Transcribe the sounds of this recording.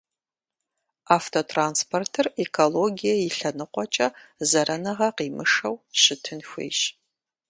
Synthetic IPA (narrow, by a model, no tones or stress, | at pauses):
aːftʰotʰraːnspʰortʰɨrekʰoloɡijɐjɪɬɐnɨqʷɔt͡ʃʼɐzɐɾɐnɐʁɐqiːmɨʂɐwɕɪtʰɨnxʷḛːʃ